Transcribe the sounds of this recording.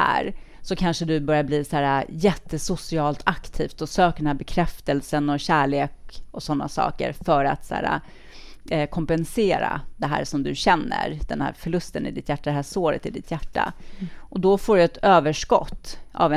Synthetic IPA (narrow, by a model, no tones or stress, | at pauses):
æ̰ːɾsɔkʰanʂəd̪ɵbœɾjabliːsæːɾajɛt̪ʰːəsʊsɪɑːlt̪ʰakt̪ʰiːft̪ɔsøːkəɖ̪ɛnæːɾbɛkʰɾɛft̪ɛlsənɔɕæːɭeːkɔsɔn̪ːa̰sɑ̰ːkə̰ɾfœɾa̰t̪sæ̰ːɾa̰ | kʰɔmpɛnseːɾa̰d̪ɛɦæ̰ːɾʂɔmd̪ɵɕɛnːə̰ɾd̪̥ɛnhæ̰ːɾfœɭɵst̪ənɪ̰d̪ɪt̪jæʈːad̪ɛɦæːsoːɾə̰t̪ɪd̪ɪt̪ʰjæʈːa̰ʔɔd̪ɔfoːɖɵɛt̪øːvəʂkɔ̰t̪ːʔa̰vɛ